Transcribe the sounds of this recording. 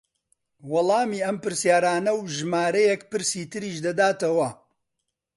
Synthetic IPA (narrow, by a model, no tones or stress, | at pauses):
wɑlˠɑːmiːɐmpɨɾsjaːɾaːnɐwʒɨmaːɾɐjɛkpɨɾsiːt̪ɨɾiːʃd̪ɐd̪aːt̪ɐwɐ